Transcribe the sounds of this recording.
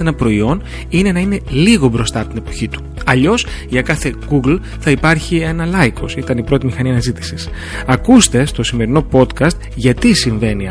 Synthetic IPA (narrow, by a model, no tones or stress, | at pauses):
enɐpɾo̞io̞n | ine̞nɐine̞liɣo̞bɾo̞st̪ɐpot̪ine̞po̞çit̪u̥ɐʎo̞sʝɐkɐθe̞ɡuɡl | θɐipɐɾçie̞nɐlɐjko̞sit̪ɐnipɾo̞t̪imixɐniɐnɐzit̪i̥sis | ɐkust̪e̞st̪o̞sime̞ɾino̞po̞t̪kɐst̪ʝɐt̪isiɱve̞ni